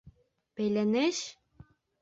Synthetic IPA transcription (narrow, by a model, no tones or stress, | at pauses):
pelʲeneʃ